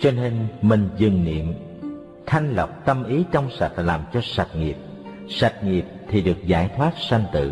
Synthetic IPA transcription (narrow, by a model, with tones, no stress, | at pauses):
t͡ɕɔ˧ne˧nmï˨˩ŋ̟zɨ˨˩ŋnḭ˧˨əm | t̪ʰa˧jŋ̟lə˨˩wk͡p̚t̪ə˧mʔi˨˦t͡ɕɔ˧wŋ͡msa˨˩t̚laː˨˩mt͡ɕɔ˧sa˨˩t̚ŋi˨˩əp̚ | sa˨˩t̚ŋi˨˩əp̚t̪ʰi˨˩ɗɨ˨˩ək̚zaː˧˩jt̪ʰwaː˦˥t̚sa˧ŋ̟t̪ɨ̰˧˨